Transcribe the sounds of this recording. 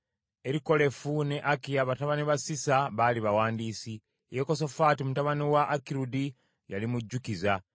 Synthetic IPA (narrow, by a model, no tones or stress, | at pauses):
e̞ɾiko̞le̞fune̞ʔakijaβataβaniβasisaβaliβawaːndiːsi | jeko̞so̞faːtimutaβaniwaʔːkiɾudi | ja̰limuɟːukiza